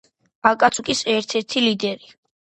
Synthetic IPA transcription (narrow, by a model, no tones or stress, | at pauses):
akʼat̪sʰʼukʼisɛɾt̪ʰɛɾt̪ʰilid̪ɛɾi